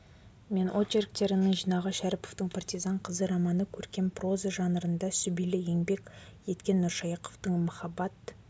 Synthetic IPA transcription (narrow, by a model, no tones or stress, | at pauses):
me̞nʔot͡ʃerk̚t̪e̞ɾɪnəɴʒijnɑʁəʃæɾɪpoft̪əɴpʰɑrt̪izɑɴqʰəzəɾɑmɑnəkʲʰɵɾkʲe̞mpro̞zəʒɑnəɾənd̪ɑsʏbijlɪje̞ŋbe̞kʲje̞t̪kʲe̞nːʊɾʃɑjɑqoft̪əɴmʊχɑbɑt̪